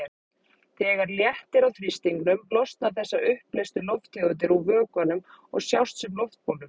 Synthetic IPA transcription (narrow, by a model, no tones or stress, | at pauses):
θɛːɣaɾljɛht̪ɪɾawθɾist̪iŋknʏmlɔst̪naθɛsːaʔʏhplɛst̪ʏlowft̪ɪɣʏnt̪ɪɾuvœːkanʏmɔ̰ɣsjawst̪sɛmlɔwft̪̚poːlʏm